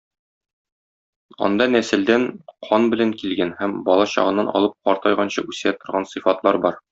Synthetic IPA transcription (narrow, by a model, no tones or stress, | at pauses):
ɒ̰nd̪ɑnæsɘ̆ld̪ænqʰɒnbɘ̆læŋkilɡænhæmbɒlˠɑɕɒ̰ʁɤ̆nːɑnɒ̰lˠɤp̚qɒɾt̪ɑjʁɑnɕɤʔʉsæt̪ŏɾʁɑnsɨfɑt̪lˠɑɾbɒɾ